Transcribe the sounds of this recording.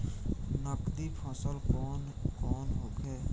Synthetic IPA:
nəkd̪ipʰasəlɔːn | kɔːnɦoːkeː

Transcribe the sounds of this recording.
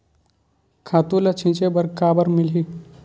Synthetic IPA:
kʰaːt̪ũlɐt͡ʃʰĩt͡ʃebɐɾkaːbəɾmɪlɦiː

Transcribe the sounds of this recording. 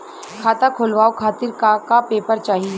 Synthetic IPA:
kʰaːt̪akʰʊlʋaːokʰaːt̪ɪɾkakapeːpəɾt͡ʃaːɦiɛː

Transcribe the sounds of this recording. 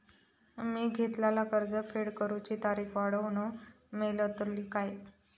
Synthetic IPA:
miːɡʱet̪lalakəɾd͡zəfeɽkəɾut͡ɕiːt̪aɾiːkʰʋaɽəʋño | melət̪əɾliːkaj

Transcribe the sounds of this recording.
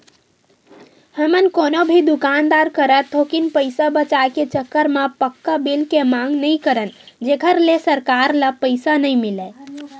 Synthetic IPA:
həmənkonobʱid̪ukand̪aɾkəɾət̪okinpəɪsabət͡ʃaeket͡ʃəkːəɾmapəkːəbilkemaŋɡnəjkəɾənd͡ʒekʰəɾlesəɾkaɾləpəɪsanəjmilɛ

